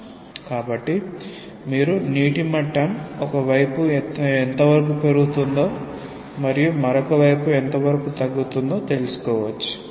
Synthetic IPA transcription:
kaːbɐʈːi | miːɾuniːʈimɐʈːɐmɔkɐʋɐjpuent̪ɐʋɐɾɐk̬uːpe̞ɾuɡut̪und̪o̞ː | mɐɾijumɐɾokɐʋɐjpuent̪ɐʋɐɾɐkut̪ɐɡːut̪und̪o̞ːt̪e̞lusu̥kɔːʋɐt͡ʃːu̥

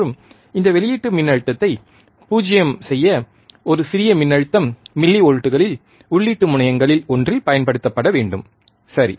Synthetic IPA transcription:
ɯm | ɪnd̪ɐʋɛɭɪjiːʈːɯmɪnːɐɻɯt̪ːɐt̪ːɐɪ | puːd͡ʒɐjɐmsɛjːɐ | ɔɾɯsɪɾɪjɐmɪnːɐɻɯt̪ːɐmːɪlːiɔɻɯʈːɯɣɐɭɪl | ʊɭːiːʈːɯmʊɳɐjɐŋɡɐɭɪlɔndrɪlpɐjɐnpɐɽɯt̪ːɐpːɐɽɐʋeːɳɖɯm | sɐɾḭ

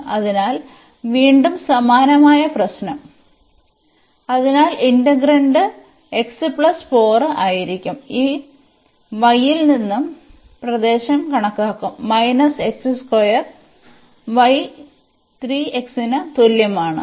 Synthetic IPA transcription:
ɐðinaːl | ʋiːɳɖumsɐmaːnɐmaːjɐprɐɕnɐm | ɐðinaːlindɐɡɾɐɳɖɨ | eksɨpɭɐsfo̞ːrɨaːjiɾikʲːumiː | ʋɐjːilninːum | prɐd̪e̞ːɕɐmkɐɳɐkːaːkːumːɐjnɐseksɨskojɐr | ʋɐj | t̪riːeksinɐt̪oljɐmaːɳɨ̰

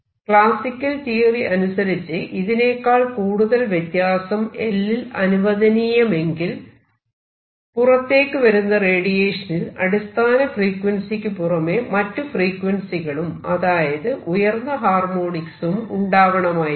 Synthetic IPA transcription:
kɭaːsikʲːɐlt̪iːriʔɐnusɐɾit͡ɕːɨʔiðine̞ːkːaːɭkuːɽuðɐlʋjet̪jaːsɐme̞lːilɐnuʋɐðɐnijɐme̞ŋɡil | purɐt̪ːe̞ːkːɨʋɐɾunːɐreːɽijeːʂɐnilɐ̰ɽist̪ʰaːnɐfriːkwɐnsikʲːɨpurɐme̞mɐtːufriːkːwɐnsiɣɐɭumɐðaːjɐðɨʔujɐrnːɐɦaːrmoːɳiksumṵɳɖaːʋɐɳɐmaːji

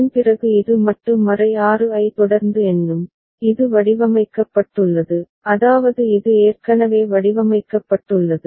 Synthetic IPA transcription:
npɪrɐɣɯɪðɯmɐʈːɯmːɐrɐɪaːrɯɐɪt̪ɔɽɐɾnd̪ɯɛndɯm | ɪðɯʋɐɽɪʋɐmɐɪkːɐpːɐʈːɯɭːɐðɯ | ɐðaːʋɐðɯɪðɯeːrkɐnɐʋeːʋɐɽɪʋɐmɐɪkːɐpːɐʈːɯɭːɐðɯ

